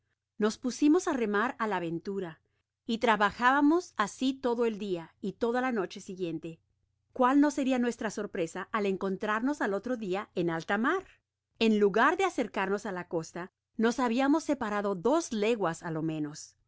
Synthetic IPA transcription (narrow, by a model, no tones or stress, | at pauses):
no̞spusimo̞sare̞maɾalaβe̞nt̪uɾa | it̪ɾaβaxaβamo̞sasit̪o̞ðo̞e̞ld̪iait̪o̞ðalano̞t͡ʃe̞siɣje̞nt̪e̞ | kwalno̞se̞ɾianwe̞st̪ɾaso̞ɾpɾe̞saʔːle̞ŋko̞nt̪ɾaɾno̞salo̞t̪ɾo̞ðiae̞nalt̪amaɾ | e̞nluɣaɾðe̞ase̞ɾkaɾnosalako̞st̪a | no̞saβiamo̞sːe̞paɾaðo̞ðo̞zle̞ɣwasalo̞mẽ̞no̞s